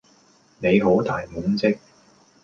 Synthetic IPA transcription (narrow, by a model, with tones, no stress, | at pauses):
ne˨˧jɦo˨˥wt̪aː˨˩jmʊ˨˥ŋt͡sɪ˥k̚